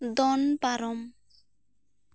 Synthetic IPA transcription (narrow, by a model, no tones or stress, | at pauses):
d̪ɔnpaɾɔm